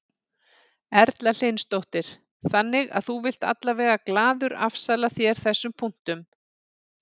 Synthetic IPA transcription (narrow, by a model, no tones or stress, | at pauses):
ɛɾt̪lal̥ejnst̪owht̪ɪɾ̥ | θanːɪɣa̰ðθuvɪl̥t̪a̰t̪lavɛːɣaklaːðʏɾa̰fsalaθjɛɾ̥θɛsːʏmpʰun̥t̪ʏm